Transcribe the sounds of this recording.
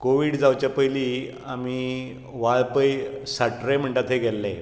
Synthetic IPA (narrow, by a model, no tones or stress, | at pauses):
koʋiːɽd͡zawt͡ɕjapəjli | ami | ʋaɭpəjsaʈɾem̤əɳʈ̪at̪ʰɦeɡʱɛlːẽ